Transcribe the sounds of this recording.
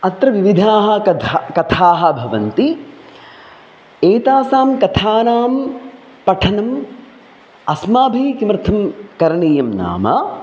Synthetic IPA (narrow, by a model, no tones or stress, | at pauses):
ɐt̪ɾɐʋiʋid̪ʱaːɦɐ̆kɐt̪ʰaːɦɐ̆bʱɐʋɐnt̪i | eːt̪aːsaːmkɐt̪ʰaːnaːm | pɐʈʰɐnɐm | ɐsmaːbʱiːkimɾt̪ʰɐmkɐɾɳiːjɐmna̰ːmɐ